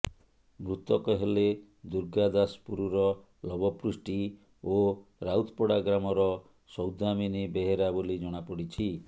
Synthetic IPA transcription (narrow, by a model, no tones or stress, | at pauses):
mɾut̪ɔkɔɦele | d̪uɾɡad̪aspuɾuɾɔ | lɔbɔpɾusʈi | oɾawt̪ʰpɔɽaɡɾamɔɾɔ | sɔwd̪aminibeɦeɾabolid͡ʒɔɽ̃apɔɽit͡ʃʰi